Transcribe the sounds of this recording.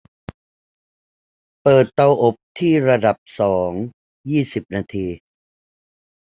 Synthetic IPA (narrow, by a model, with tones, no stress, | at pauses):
pɤː˨˩t̪ːa˧wʔo˨˩p̚t̪ʰiː˥˩ɾa˧da˨˩p̚sɔː˩˦ŋ | jiː˥˩si˨˩p̚naː˧t̪ʰiː˧